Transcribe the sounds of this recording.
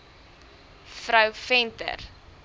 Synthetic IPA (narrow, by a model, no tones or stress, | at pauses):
fɾɐwfɛntə̰r